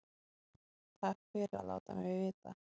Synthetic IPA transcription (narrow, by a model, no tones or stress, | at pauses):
t̪ʰḁkfɪɾːa̰la̰ːwt̪amɛvɪːt̪a̰